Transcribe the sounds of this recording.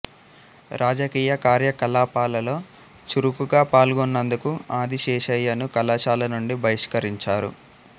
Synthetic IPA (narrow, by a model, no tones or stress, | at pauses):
ɾʔaːd͡ʒɐkiːjɐkaːɾjɐkɐlaːpaːlɐlo̞ː | t͡ʃuɾukuɡaːpaːlɡonːɐnd̪ukuaːd̪iʃɛːʃɐjːɐnukɐlaːʃaːlɐnuɳɖibʱɐjiʂkɐɾiɲt͡ʃaːɾṵ